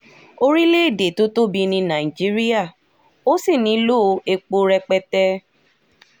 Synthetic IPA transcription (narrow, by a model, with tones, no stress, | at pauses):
o˧ɾi˦le˦˨de˨to˦to˦bi˧nĩ˧nã˨i˨d͡ʒi˦ɾi˦a˦˨ | o˦si˦˨nĩ˧˦lo˦˨˧e˧k͡po˧ɾɛ˧k͡pɛ˧tɛ˦˧